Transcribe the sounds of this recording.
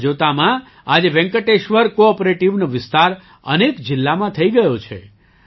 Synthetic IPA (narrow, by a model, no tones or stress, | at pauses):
d͡ʒot̪amã | ad͡ʒeʋɛ̃ŋkəʈeʃʋəɾkoɔpɾeʈiʋnoʋɪst̪aɾ | ə̰nekd͡ʒɪlːamãt̪ʰəiɡəjot͡ʃʰḛ